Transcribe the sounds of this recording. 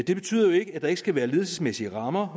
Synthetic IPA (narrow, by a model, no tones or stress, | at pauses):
d̥e̝b̥e̝̥t͡sʰy̰ːðˠɐjo̝e̝ɡ̥əæd̥ɑ̈e̝ɡ̥əsɡ̥æʋæːɐle̝ðˠl̩səsmesiəʁɑ̈mɐ